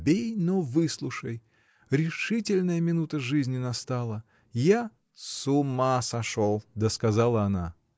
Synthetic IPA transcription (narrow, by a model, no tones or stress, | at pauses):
bʲejnovɨslˠʊʂəj | ɾʲɪʂɨtʲɪlʲnəjəmʲɪnut̪əʐɨzʲnʲɪnɐst̪alˠə | ja | sʊmasɐʂolˠd̪əskɐzalˠəɐna